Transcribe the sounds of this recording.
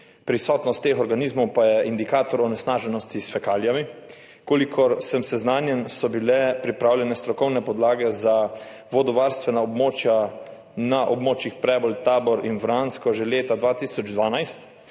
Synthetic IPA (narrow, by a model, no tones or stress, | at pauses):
pɾisɔːt̪nɔst̪ːeːxɔɾɡaniːzmɔwpajɛind̪ikaːt̪ɔɾɔnɛsnaːʒɛnɔst̪isfɛkaːljami | koːlikʰɔɾsɛmsɛznaːnjɛnsɔbilɛpɾipɾaːwljɛnɛst̪ɾɔkɔwnɛpɔd̪laːɡɛza | ʋɔd̪ɔʋaɾst̪ʋɛnaɔbmoːt͡ʃja | naʔɔbmoːt͡ʃixpɾɛːbɔlt̪aːbɔɾinfɾanskɔʒeleːt̪ad̪ʋaːt̪iːsɔd͡ʒd̪ʋaːnajst̪